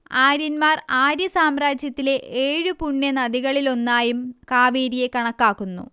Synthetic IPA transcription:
aːɾjɐnmaːraːɾjɐsaːmraːd͡ʑjɐt̪ːile̞ʔeːɻupuɳːɐnɐd̪iɣɐɭilo̞nːaːjumkaːʋiːɾijekɐɳɐkːaːkːunːṵ

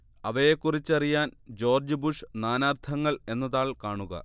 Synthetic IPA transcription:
ɐʋɐje̞kːurit͡ɕːɐrijaːnd͡ʑo̞ːrd͡ʑubuʂnaːnaːrt̪ʰɐŋːɐɭe̞nːɐðaːɭkaːɳuɣɐ̰

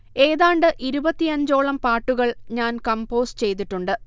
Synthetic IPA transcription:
e̞ːðaːɳɖɨʔiɾubɐt̪ːiɐɲd͡ʑo̞ːɭɐmpaːʈːuɣɐɭɲaːnkɐmpo̞ːst͡ɕe̞jt̪̬iʈːuɳɖɨ

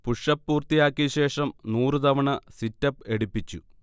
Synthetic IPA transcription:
puʂɐpːuːrt̪ijaːkːiɕe̞ːʂɐmnuːrɨt̪ɐʋɐɳɐsitːɐp̚e̞ɽupːit͡ɕːṵ

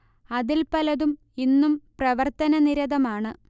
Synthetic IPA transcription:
ɐðilpɐlɐðum | inːumprɐʋɐrt̪ɐnɐniɾɐðɐmaːɳɨ

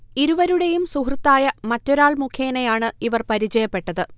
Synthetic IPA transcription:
iɾuʋɐɾuɽe̞jumsuɦrɨt̪ːaːjɐmɐtːo̞ɾaːɭmukʰjeːnejaːɳɨiʋɐrpɐɾit͡ɕɐjɐpːe̞ʈːɐðɨ

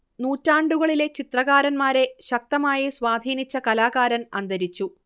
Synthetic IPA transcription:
nuːtːaːɳɖuɣɐɭile̞t͡ɕit̪rɐɣaːɾɐnmaːɾe̞ɕɐk̚t̪ɐmaːjiswaːd̪ʱiːnit͡ɕːɐkɐlaːɣaːɾɐnɐnd̪ɐɾit͡ɕːu

